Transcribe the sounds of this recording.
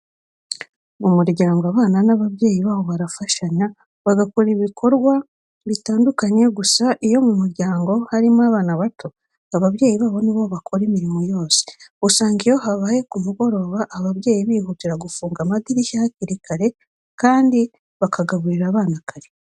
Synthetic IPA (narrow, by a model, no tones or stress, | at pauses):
mumuɾɟaːŋɡaβaːnanaβaβje̞ːjiβaːβo̞βaɾafaʃaɲa | βaɡako̞ɾiβikʰo̞ɾɡwa | βitaːndukaɲe̞ɡusaʔijo̞mumuɾɟaːŋɡo̞haɾimaβaːnaβatʰo̞ | aβaβje̞ːjiβaːβo̞niβo̞βakʰo̞ɾimiɾimo̞jo̞ːse̥usaːŋɡijo̞ɦaβaːje̞kumuɡo̞ɾo̞βaʔːβaβje̞ːjiβiːhutiɾaɡufuːŋɡamadiɾiçahaciɾikʰaɾe̞ | kaːndi | βakaɡaβuɾiɾaːβaːnakaɾe